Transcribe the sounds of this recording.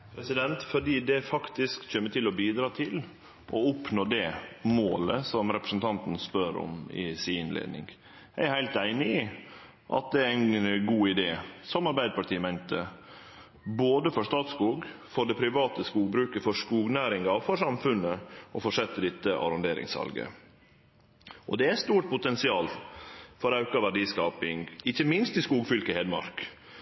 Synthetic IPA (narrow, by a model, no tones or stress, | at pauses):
pʰɾɛsɪd̪ɛnt̪fɔɖiːd̪ɛfɑkt̪ɪskc͡çɛmːəʈ̪ɪlɔbiːd̪ɾɑːt̪ʰɪl | ʔɔʊpnoːd̪ɛmo̰ːləsɔmɾɛpɾəsn̩t̪ʰɑnt̪n̩spœɾɔ̰mɪ̰sɪnlḛːd̪nɪ̰ŋ | ææɾhæɪlt̪æɪnɪɪ | ʔɑ̰t̪̚d̪ɛæɾæɪnɡuːɪd̪eːsɔmɑɾbæɪd̪əpʰɑʈʰiːəmæɪnt̪ə | boːd̪əfɔʂt̪ɑːt̪skuːɡfɔɖɛpʰɾɪʋɑːt̪əskuːɡ̚bɾʉːkəfɔskuːɡnæːɾɪŋɑfɔʂɑmfʉnəɔfɔʂɛt̪ːəd̪ɪt̪ːəʔɑ̰ɾɔnd̪eːɾɪ̰ŋsɑ̰lɡə̰ | ʔɔd̪ɛæst̪uːʈ̚pʰʊt̪ɛnsɪɑːlfɔɾɑʉkɑʋæɖiːskɑːpɪŋɡɪçəmɪnst̪ɪskuːɡfʏlkəheːd̪əmɑ̰ɾk